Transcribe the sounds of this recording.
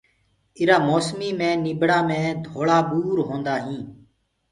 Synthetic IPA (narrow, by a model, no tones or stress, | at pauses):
ɪɾaːmoːsmiːmẽːnɪɓɽaːmẽːd̪ʱoːɭaːɓuːɾɦõːnd̪aːɦĩː